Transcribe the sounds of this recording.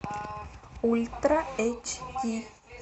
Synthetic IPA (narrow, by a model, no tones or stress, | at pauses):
ult̪ɾaet͡ʃki